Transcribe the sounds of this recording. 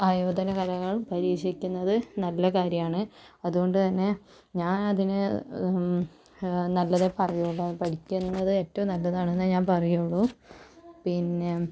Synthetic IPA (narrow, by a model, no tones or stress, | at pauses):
aːjoːd̪ʱɐnɐkɐlɐŋːɐɭpɐɾiːʂikʲːunːɐðɨnɐlːɐkaːɾjɐmaːɳɨɐðuɣo̞ɳɖɨt̪ɐnːe̞ | ɲaːnɐðinɨ | nɐlːɐðe̞pɐrɐjuːɭːupɐɽikʲːunːɐðɨe̞ːtːɐʋumnɐlːɐðaːɳenːɨɲaːnpɐrɐjuɭːu | pinːe̞